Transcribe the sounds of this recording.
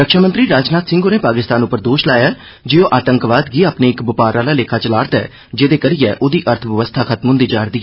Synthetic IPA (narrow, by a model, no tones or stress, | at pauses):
ɾəkʃaːmənt̪ɾiːɾaːd͡ʒnaːt̪sɪ̃ŋɡoːneːpaːkɪst̪aːnʊpːəɾd̪oːʃlaːjaɛ | d͡ʒeːõːʔaːt̪əŋkʋaːd̪ɡiːaːpneːɪkbʊpaːɾaːlaːleːkʰaːt͡ʃəlaːɾt̪ɛ̰ː | d͡ʒeːd̪eːkəɾiːɛ̰ːʔoːd̪iːʔəɾt̪ʰʋəʋəst̪ʰaːkʰət̪mɦʊ̃nd̪iːd͡ʒaːɾd̪iːɛː